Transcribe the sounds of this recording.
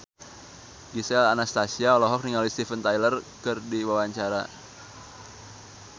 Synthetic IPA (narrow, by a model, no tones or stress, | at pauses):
ɡisɛlanast̪asiaɔlɔɦɔk̚niŋalist̪ifənt̪ajlərkɨrdiwawaɲt͡ʃaɾa